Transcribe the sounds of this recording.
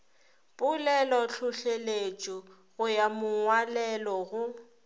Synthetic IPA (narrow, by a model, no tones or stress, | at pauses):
pʼʊlɛlɔɬʰʊɬelet͡ʃʼɔ | ɣʊjamʊŋwalɛlɔɣʊ